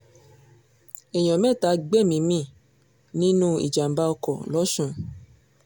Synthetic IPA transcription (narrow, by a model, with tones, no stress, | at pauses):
e˨j̃ɔ̃˨mɛ̃˦˨ta˨˧˦ɡ͡bɛ˦˨mĩ˨˧˦mĩ˦˨ | nĩ˦nũ˦ḭ˦˨d͡ʒa˨m̩˨ba˧ɔ˧kɔ˨lɔ˨˦ʃũ˧˦